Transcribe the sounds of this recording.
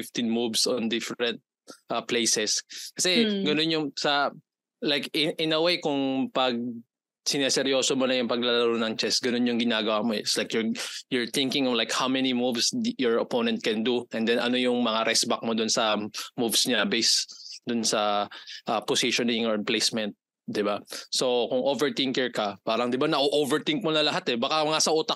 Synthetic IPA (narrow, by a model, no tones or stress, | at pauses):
fɪft̪ɪnmuvsond̪ɪfɹɛ̃nt̪̚ | ʔɐplejsɛskɐsɛɡɐnonjʊŋsɐ | lajkɪʔɪnɐwejkʊŋpɐɡ̚ | sɪnɛsɛɾjo̞ːsomonɐjʊŋpɐɡ̚lɐlɐɾonɐŋt͡ʃɛsɡɐnonjʊŋɡɪnaːɡɐwamoɪslajkjʊɹjʊɹt̪ɪŋkɪ̃ŋɔlajkhawmɛnimuvsjɔɹɐponɛnt̪̚kɛnd̪uʔɛnd̪ɛnʔɐ̰no̞jʊŋmɐŋaɾʔɛsbɐk̚mod̪ʊnsɐmuvsɲɐbɛjsd̪ʊnsɐʔɐposiʃonɪŋɔɹplejsmɛnt̪̚ | d̪ɪbaso̞kʊŋʔovɛɹt̪ɪŋkɛɹkɐpaːɾɐŋd̪ɪbanɐʔoʔovɛɹt̪ɪŋk̚monɐlɐɦat̪ɛbɐkaŋasɐʔuːt̪ɐ